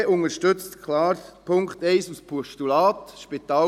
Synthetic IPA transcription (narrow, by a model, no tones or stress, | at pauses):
ʔʊŋəʃtʏt͡stkʰlɑːɾpʰʊŋkχt̪ɛɪsuspʰɔʃtulɑːt̪ʃpit̪ɑː